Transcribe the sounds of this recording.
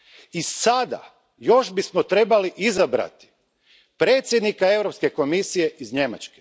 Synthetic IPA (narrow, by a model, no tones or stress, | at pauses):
isad̪a̰ | jo̞ʃbismot̪ɾe̞baliʔizabɾa̰t̪i̥ | pɾeːt̪sʲje̞d̪nikae̞vɾopske̞ko̞misije̞izɲe̞ma̰t͡ʃke̥